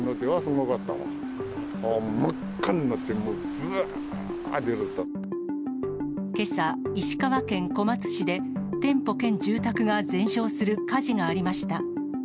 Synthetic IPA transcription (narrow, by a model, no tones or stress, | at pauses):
not̪ːeβasoŋokat̪ːa̰mã̰ | omakːaɲinot̪ːemod͡zɯa | d̪eɾɯt̪ːa | ke̞saiɕi̥kaβakẽ̞ŋko̞mat͡sɨ̥ɕid̪e̞ | t̪ẽ̞mpo̞kẽ̞ɲ̟d͡ʑɨːt̪akɯ̟ɡad͡zẽ̞ɰ̃ɕo̞ːsɨɾɯ̟kaʑiŋaːɾʲimaɕi̥t̪a